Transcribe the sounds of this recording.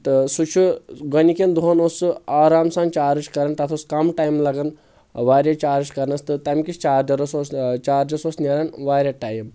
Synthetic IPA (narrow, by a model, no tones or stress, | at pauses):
t̪ɨsut͡ʃʰuɡɐnikʲind̪uɦonosɨaːɾaːmsaːnt͡ʃaːɾiʃkɐɾɐnt̪ɐt̪ʰoskɐmʈaːjimlɐɡɐn | ʋaːɾjet͡ʃaːɾiʃkɐɾnɐst̪ɨt̪ɐmkʲist͡ʃaːɾd͡ʒɐɾɐsost͡ʃaːɾd͡ʒɐsosneɾɐnʋaːɾʲɐʈaːjim